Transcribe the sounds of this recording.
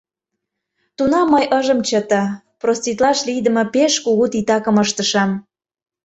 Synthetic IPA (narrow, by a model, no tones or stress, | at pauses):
t̪unɑmːəjʔəʒəmt͡ɕət̪ɑ | prost̪it̪lɑʃlijd̪ə̆mɤ̆peʃkuɣut̪it̪ɑkə̆məʃt̪əʃɑm